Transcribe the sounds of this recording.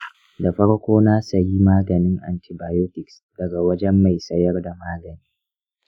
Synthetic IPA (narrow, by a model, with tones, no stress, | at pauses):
da˨ɸɐ˦ɽkʷoː˦na˦sɐ˨ji˦maː˦ɡɐ˨nɪ˦ŋʔa̰˨nti˨baː˨joː˦tɪ˨ks | d̥ɐ˨ɡa˨wɐ˦d͡ʒɛ˦mːa˨jsɐ˦jɐ˦rda˨maː˦ɡɐ˨niː˦